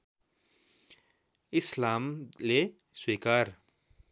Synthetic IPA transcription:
ɪslaːmle | swiːkaːɾ

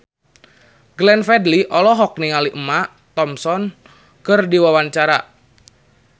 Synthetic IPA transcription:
ɡlɛnfɛdliʔɔlɔɦɔk̚niŋaliʔəmaʔ | t̪ɔmsɔn | kərdiwawaɲt͡ʃaɾa

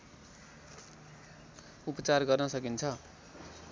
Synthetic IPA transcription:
upʌt͡sarɡʌrnʌsʌkint͡sʰʌ

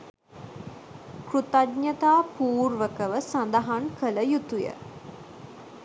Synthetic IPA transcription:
kɾut̪adɲət̪aːpuːrʋəkəʋəsand̪aɦaŋkələjut̪ujə̰

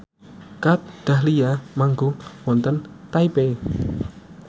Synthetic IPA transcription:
kat̪̚d̪̥a̤hlijamaŋɡowɔnt̪ənt̪aipe

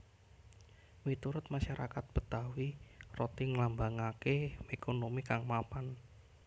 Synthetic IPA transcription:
wit̪uɾʊt̪̚maʃaɾʔa̰kat̪̚b̥ət̪awirot̪iŋlambaŋakemekonomikaŋmapan

